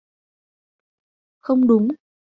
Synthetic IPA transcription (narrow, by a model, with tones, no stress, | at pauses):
xə˧wŋ͡mɗʊ˨˦ŋ͡m